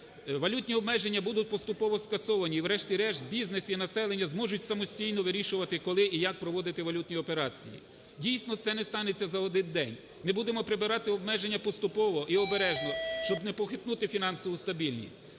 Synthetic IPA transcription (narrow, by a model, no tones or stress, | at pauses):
ʋɐlʲut̪ʲnʲiɔbmɛʒenʲːɐbud̪ʊt̚ʲpɔst̪ʊpɔʋɔskɐsɔʋɐnʲiːʋɾɛʃtʲiɾɛʃd̪bʲiznesinɐsɛlˠenʲːɐzmɔʒʊtʲsɐmɔsʲtʲijnɔʋɪɾʲiʃʊʋɐt̪ɪkɔlˠɪʔijɐk̚pɾɔʋɔd̪ɪt̪ɪʋɐlʲut̪ʲnʲiɔpeɾɑt͡sʲḭjḭ | dʲijsʲnɔt̪sɛnɛst̪ɑnet͡sʲːɐzɐɔd̪ɪnd̪ɛnʲ | mɪbud̪emɔpɾɪbɪɾɑt̪ɪɔb̚mɛʒenʲːɐpɔst̪ʊpɔʋɔʔiɔbeɾɛʒnɔʃt͡ʃɔbnɛpɔxɪt̪nut̪ɪfʲinɑnsɔʋʊst̪ɐbʲilʲnʲḭsʲtʲ